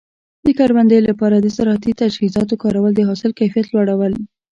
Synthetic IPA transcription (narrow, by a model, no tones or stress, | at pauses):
d̪əkɑɾwand̪əjlapɑɾad̪əsaɾhat̪it̪ad͡ʒhizɑt̪okɑɾawəld̪əɦɑsɪlkajfijat̪lwaɽawəl